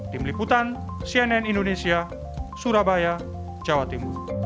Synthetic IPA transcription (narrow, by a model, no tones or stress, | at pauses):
t̪imliput̪an | siɛnɛnindonesia | suɾabaja | d͡ʒawat̪imu